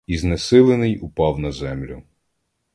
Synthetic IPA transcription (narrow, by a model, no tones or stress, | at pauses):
iznesɪlˠenɪjupɑwnɐzɛmlʲʊ